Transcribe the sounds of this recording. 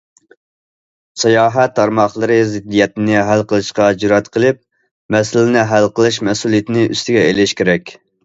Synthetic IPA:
sɑjɑːɦɛt̪ʰːɑɾmɑχlˠəɾɨzɪd̪ːijɛt̪ɪnɪɦælqʰəlˠɨʃqɑd͡ʒiɾɑt̪qʰəlˠɨp̚ | mɛsɪlɪnɪɦælqəlˠɨʃ̬mɛsulijet̪ɪnɪʔy̰st̪ʰɪɡʲɛelɪʃkʲʰeɾɛkʲ

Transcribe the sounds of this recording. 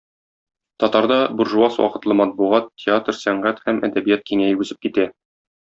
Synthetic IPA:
t̪ɒt̪ɑɾd̪ɑbuɾʒuɑswɒ̰qɤ̆t̪lˠɤmɒt̪̚buʁɑt̪ʲːɪat̪rsæɴʁæt̪hæmʔæ̰d̪æbijæt̪̚kiŋæjɘʉzɘp̚kit̪æ

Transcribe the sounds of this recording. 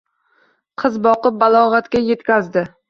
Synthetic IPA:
qʰɨzbɒqɨp̚balˠɒʁat̪kʲaje̞t̪kʲazd̪ɪ

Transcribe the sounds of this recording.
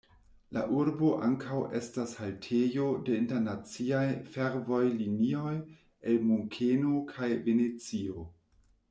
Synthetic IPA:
la̰ʔuɾbo̞ʔaŋkʰawʔe̞stashaltʰejo̞de̞inteɾnat͡siajfe̞ɾvo̞jlinioj | elmuŋkʰenokʰajvenet͡sio̞

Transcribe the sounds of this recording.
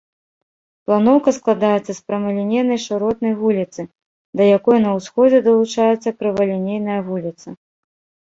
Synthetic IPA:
plˠanɔwkɐsklˠad̪ajɛt̪sːɐspɾɐmɐlʲɛnʲejnɐjʂɨɾɔt̪̚nɐjvulʲit̪sɨ | d̪ɐjakɔjnɐwsxɔd͡zʲɛd̪ɐlˠut͡ʂajɛt̪sːɐkɾɨvɐlʲɛnʲejnɐjɐvulʲit̪sɐ

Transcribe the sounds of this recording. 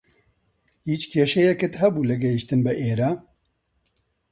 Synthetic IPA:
hiːt͡ʃkʰeːʃɛjɛkɨt̪ɦɛbuːlɨɡɛɦiʃt̪ɨnbɨʔeːɾaː

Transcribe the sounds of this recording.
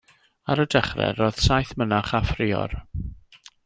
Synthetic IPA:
aɾədɛχrɛ̰roːð̥sajθmənaχafrɪɔ̰r

